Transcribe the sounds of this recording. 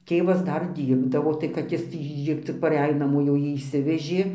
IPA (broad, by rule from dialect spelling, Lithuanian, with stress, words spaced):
ˈtʲeːʋɐs ˈdɐr ˈdʲiːrbdɐʋoː tɐɪ kɐt ˈjɪs tʲiː ˈt͡sʲɪk pɐˈrʲɛj nɐˈmoː jɛʊ ˈjiː ɪʃʲˈsʲɪʋʲɛʒʲeː